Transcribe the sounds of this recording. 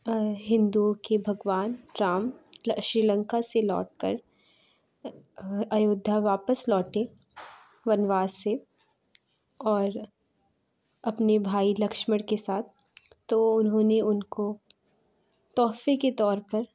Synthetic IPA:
ɦɪ̃nd̪ukebʱɐɡʋaːnɾaːmʃɾiːlə̃ŋkaselɔ̰ːʈ̚kɐ̰ɾ | ɐjoːd̪ʱːaʋaːpəslɔːʈe | ʋɐnʋaːse | ɔːɾ | ɐpnebʱaːilɐkʃməɽkesaːt̪̚ʰː | oʊnɦõːneʊnko | t̪ɔːfeket̪ɔːɾpɐɾ

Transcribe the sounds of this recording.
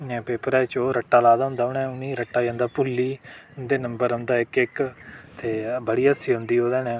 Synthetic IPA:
ɛ̃ːpeːpəɾɛːt͡ʃoːɾəʈːaːlaːd̪aːɦʊ̃nd̪aːʊnɛ̃ːʊnĩːɾəʈːaːd͡ʒãːnd̪aːpʊlːiːʊnd̪eːnəmbəɾənd̪aːɪkɪkt̪eːbəɽiːəsiːɦʊ̃nd̪iːoːd̪ɛːnɛ̃ː

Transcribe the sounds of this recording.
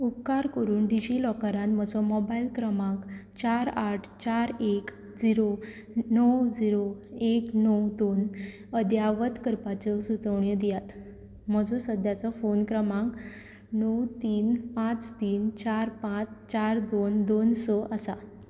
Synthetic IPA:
upkaɾkəɾuːnɖid͡ʑilɔkaɾãnm̤əd͡zɔmɔbailkɾəmãkt͡ɕaɾaʈʰt͡ɕaɾek | d͡ziɾo | nəwd͡ziɾoeknəwd̪on | əd̪jaʋət̪kəɾpat͡ɕɔsut͡səʋɳjəd̪ijat̪ | m̤əd͡zɔsəd̪ʱjat͡sɔfonkɾəmãk | nəwt̪iːnpãt͡st̪iːnt͡ɕaɾpãt͡st͡ɕaɾd̪ond̪onsəʔasa

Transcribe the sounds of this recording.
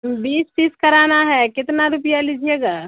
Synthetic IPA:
biːspiskəɾaːnaɦɛkɪt̪naɾupijalid͡ʒʱieːɡaː

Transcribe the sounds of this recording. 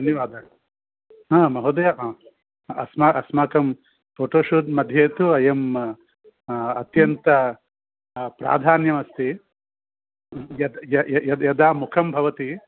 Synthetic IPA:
d̪ɐnjɐʋaːd̪ɐ | aːmɐɦud̪ɐja | ɐ̰smaːʔɐsmaːkɐm | pʰoːʈoːʃuːd̪mɐd̪ʱjeːt̪uɐjɐm | ɐt̪jɐnt̪ɐ | pɾa̰ːd̪ʱaːnjɐmɐst̪i | jɐd̪jɐjɐjɐd̪jɐd̪aːmukʰɐmbʱɐʋɐt̪i

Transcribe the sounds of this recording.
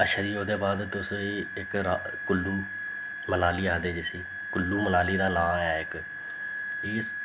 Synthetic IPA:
əʃəɾiːoːd̪eːbaːd̪t̪ʊsiːɪkɾa | kʊlːuː | məlaːliːãːd̪eːd͡ʒesiː | kʊlːuːməlaːliːd̪aːnãːɛːɪk | ɪːs

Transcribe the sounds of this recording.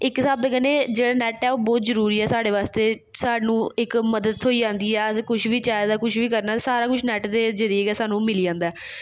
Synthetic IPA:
ɪksaːbekəneːd͡ʒeːɽaːnɛːʈɛːoːbɔːt̪zəɾuːɾiːɛːsaːɽeːʋaːst̪eː | saːnũːɪkməd̪əd̪̚ʰoːiːd͡ʒãːnd̪iːɛːəskʊʃʰʋiːt͡ʃaːd̪aːkʊʃʰʋiːkəɾnaːsaːɾaːkʊt͡ʃʰnɛːʈd̪eːzəɾiːəɡɛːsaːnũːmɪliːãːnd̪aɛː

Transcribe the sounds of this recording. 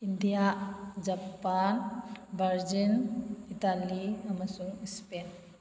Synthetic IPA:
ind̪ijad͡ʒapaːnbɐɾd͡ʒinit̪aːliɐmɐsuispeːn

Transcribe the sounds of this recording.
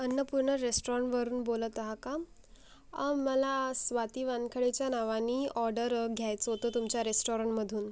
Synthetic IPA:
ənːəpuɾɳəɾesʈoɾəɳʈʋəɾuːnbolət̪aɦaka | aməlasʋat̪iːʋankʰəɭet͡ɕjanaʋanːiːɔɾɖəɾɡʱjajt͡səɦot̪ot̪umt͡ɕjaɾesʈoɾəɳʈməd̪ʱuːn

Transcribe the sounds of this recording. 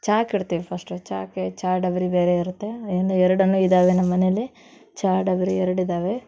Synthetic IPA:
t͡ʃaːkiɽt̪iːʋipʰɐsʈt͡ʃaːket͡ʃaːɾɖɐʋɐɾibeːɾeiɾut̪ːe̞end̪uɛɾɐɽɐnːuːid̪aːʋenɐmːɐnelːi | t͡ʃaːɾɖɐʋɐɾiɛɾɐɽid̪aːʋe̞

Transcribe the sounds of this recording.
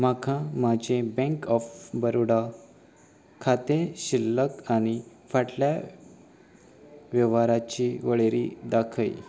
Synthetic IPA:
makʰãmad͡ʑẽbɛ̃ŋkɔfbəɾoɽa | kʰat̪eɕilːəkañifaʈlja | ʋjəʋaɾat͡ɕiʋəɭeɾid̪akʰəj

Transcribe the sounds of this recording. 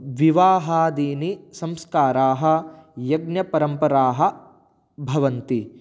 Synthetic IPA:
ʋiʋaːɦaːd̪iːnisɐ̃mskaːɾaːɦɐ̆jɐɡnjɐpɐɾɐmpɐɾaːɦɐ̆ | bʱɐʋɐnt̪i

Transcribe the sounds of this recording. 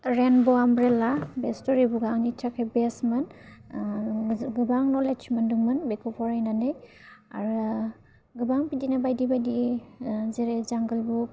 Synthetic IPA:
ɹenbɔamɾelabestɔɾibuɡaŋnitʰakʰebesmɯn | ɡɯbaŋnɔlet͡ʃʰimanduŋmɯnbekʰɔpʰɔɹajnaneja̰ɾ | ɡɯbaŋpidinabajdibajdi | zeɾezaŋɡɯlbu

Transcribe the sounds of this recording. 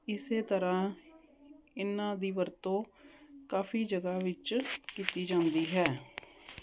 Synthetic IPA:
ɪseːt̪əɾãː | ɪnãːd̪iːʋəɾt̪õːkaːfʰiːd͡ʒəɡaːʋɪt͡ʃkiːt̪iːd͡ʒãːnd̪iːɦɛː

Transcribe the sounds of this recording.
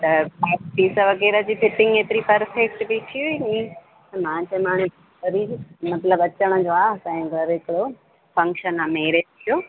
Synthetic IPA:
t̪ɐpaːpiːsəʋɐɣɛːɾəd͡ʑiːfɪʈɪ̃ŋɡeːt̪ɪɾipɐɾfek̚ʈbit̪ʰiuiĩ | t̪ɐmãːt͡ɕemãːɽ̃u | ɐɾimɐt̪ləbɐt͡ɕəɽ̃ə̆d͡ʑoaːsɛ̃ɡʱɐɾɦɪkɪɽo | fɐ̃ŋkʃənameːɾet̪ʰijoː

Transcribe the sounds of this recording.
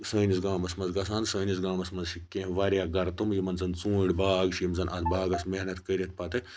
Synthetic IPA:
səːnisɡaːmɐsmɐnzɡɐs̬ãːnd̪səːnis̬ɡaːmɐsmɐnzʃikːẽːʋɐɾjaːɡɐɾt̪umjimɐnzɐnt͡sũːɽʲbaːɡʃiːmzɐnʔɐt̪baːɡɐsmeɦnɐt̪kəɾʲɐt̪̚pat̪e

